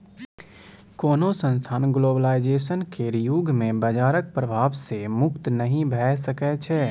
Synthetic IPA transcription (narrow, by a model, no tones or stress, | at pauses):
koːnosə̃nst̪ʰaːnɡloːbəlaːɪd͡ʒeːʃənkeɾɪjuɡʱmẽbɐd͡ʒaːɾək̚pɾəbʱaːʋsemʊkt̪nɐɦĩbʱɛːsɐkɛt͡ʃʰɛː